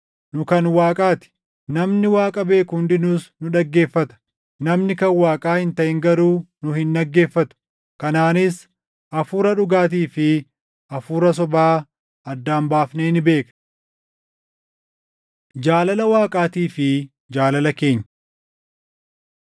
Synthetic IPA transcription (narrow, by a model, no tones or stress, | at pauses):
nʊkɐnwaːkʼaːt̪ɪ̥ | nɐmnɪwaːkʼɐbe̞ːkʊnd̪ɪnʊsnʊᶑɐɡːe̞ːfːɐt̪ɐ̥ | nɐmnɪkɐnwaːkʼaːhɪnt̪ɐʔɪŋɡɐɾuːnʊhɪnᶑɐɡːe̞ːfːɐt̪ʊ̥ | kɐnaːnɪs | ʔɐfuːɾɐᶑʊɡaːt̪̬iːfɪ | ʔɐfuːɾɐs̬ɔbaː | ɐd̪ːaːmbaːfneːnɪbe̞ːk | d͡ʒaːlɐlɐwaːkʼaːt̪iːfɪ | d͡ʒaːlɐlɐke̞ːɲːɐ